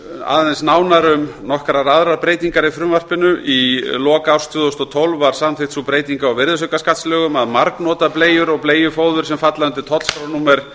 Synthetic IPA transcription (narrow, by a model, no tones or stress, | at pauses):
a̰ːðɛnsnaːwnaɾʏmnɔhkɾaɾaðɾaɾpɾeːjt̪iŋkaɾifɾʏmvar̥pɪnʏilɔːkawst̪ʰjʏːðowst̪ɔt̪ʰowlvːaɾ̥samθɪht̪supɾeːjt̪iŋkaawvɪɾðʏs̬ʏkaskat̪slœːɣʏmaðmaɾknɔːt̪aðpleːjʏɾɔɣpleːjʏfoːwðʏɾ̥sɛmfat̪laʏnt̪ɪt̪ʰɔt̪lskɾawnuːmɛɾ̥